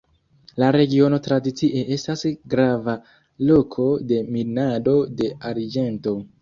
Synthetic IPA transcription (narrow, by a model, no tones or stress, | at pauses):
laɾe̞ɡio̞no̞tɾadit͡siʔe̞e̞stasɡɾava | lo̞kʰo̞de̞minado̞de̞aɾd͡ʒe̞nto̞